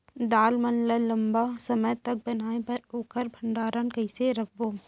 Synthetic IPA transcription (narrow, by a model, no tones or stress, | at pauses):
d̪aːlmənlələmbasɐməjt̪ɐk̚bɐnaːepɐɾoːkəɾbʱə̃ɳɖaːɾankəɪseɾɐk̚ʰboː